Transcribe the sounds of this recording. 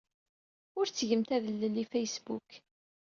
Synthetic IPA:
ʊɾt͡sːʝəmt̪æðəlːəlifæjsbuk

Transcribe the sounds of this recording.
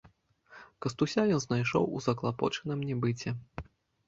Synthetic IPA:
kɐst̪usʲajɔnznajʂɔ̰wṵzɐklˠapɔ̰t͡ʂɨnɨmnʲɛbɨt͡sʲɛ

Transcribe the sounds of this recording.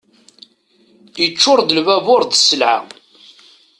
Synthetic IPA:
jət͡ʃːʊɾd̪əlvævʊɾd̪səlʕa̰

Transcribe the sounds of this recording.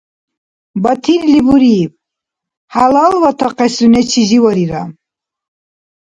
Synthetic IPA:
bat̪ʰiɾlibuɾiv | halalvat̪ʰaqɛsunɛt͡ʃʰiziwɔɾiɾa̰

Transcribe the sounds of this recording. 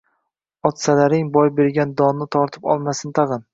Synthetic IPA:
ɒt̪salaɾɪŋbɒjbe̞ɾɡʲand̪ɒnːɪt̪ʰɒɾt̪ʰɪ̥pɒ̰lˠmasɪnt̪ʰɑʁɨn

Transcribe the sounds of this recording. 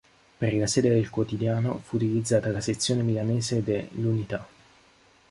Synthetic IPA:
perlasɛːd̪ed̪elkwot̪id̪jaːnofuːt̪ilid̪zːaːt̪alaset̪sːjoːnemilaneːzed̪elːunit̪a

